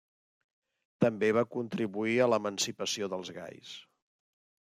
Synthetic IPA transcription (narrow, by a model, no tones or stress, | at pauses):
t̪əmbeβ̞akunt̪ɾiβuiələmənsipəsioðəlˠzɣa̰js